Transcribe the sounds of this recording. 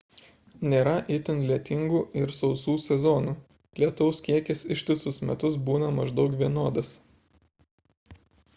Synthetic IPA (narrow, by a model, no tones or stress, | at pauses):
nʲeːɾɐʔɪt̪ʲɪnlʲiɛt̪ʲɪŋɡuːʔɪɾsɒʊsuːsʲɛzɔnuː | lʲiɛt̪ɐʊskʲiɛkʲɛsɪʃʲt̪ʲɪsʊsmʲɛt̪ʊsbuːnɐmɐʒd̪ɒʊk̬ʋʲiɛnoːd̪ɐs